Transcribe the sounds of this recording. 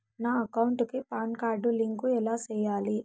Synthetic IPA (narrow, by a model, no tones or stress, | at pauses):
naːɐkɐwuɳʈukipaːnkaːɾɖuliŋkuɛlaːt͡ʃɛːjaːli